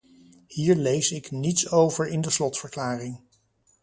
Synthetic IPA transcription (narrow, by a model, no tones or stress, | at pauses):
hiːɹlejsɪknitsowvəɹɪndəslɔtfəɹklaːrɪŋ